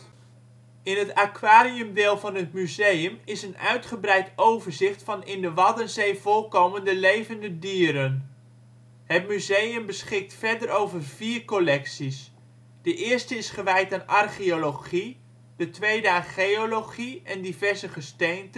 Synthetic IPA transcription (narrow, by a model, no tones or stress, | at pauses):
ɪnɦətakʋaːɾiɵmdɪːlˠvɑnɦətmyzejəmɪsənœɥtχəbrɛjtowvəɹzɪχtfɑnɪndəʋɑdənzejvolˠkowməndəlejvəndədiːɾən | ɦət̚myzejəmbəsχɪk̚tfɛɹdəɾowvərviːrkolɛksis | d̥əʔɪːɹstəɪsχəʋɛjtaːnʔɑrχioloχi | d̥ətʋejdəaːχeoloχiɛndivɛɹzəχəstejnt